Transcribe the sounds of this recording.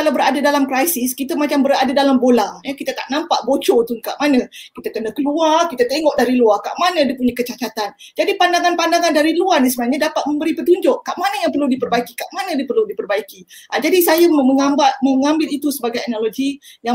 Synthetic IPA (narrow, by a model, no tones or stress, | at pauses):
kalawbəɾadadalamkɾajsɪskit̪amat͡ʃambəɾadadalambolajəkit̪ət̪a̰ʔnampaʔbot͡ʃot̪uŋka̰ʔmanə̃kit̪akənəkəluarkit̪at̪eŋɔʔ̚daɾiluarka̰ʔmanə̃dipuɲakət͡ʃat͡ʃat̪and͡ʒadipandaŋanpandaŋandaɾiluarnis̬əbənaɲadapat̪̚mə̃mbəɾipət̪uɲd͡ʒʊʔkaʔmanəjaŋpərludipərbaikikaʔmanə̃dipərludipərbaiki | ʔad͡ʒadisajamməŋambaməŋambɪlit̪usəbaɡajɛnaloɡija